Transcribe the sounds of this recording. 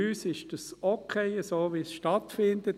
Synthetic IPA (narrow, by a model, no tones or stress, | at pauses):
yːsɪʃd̥ɑsokʰeɪəsoːʋisʃtɑtfɪndət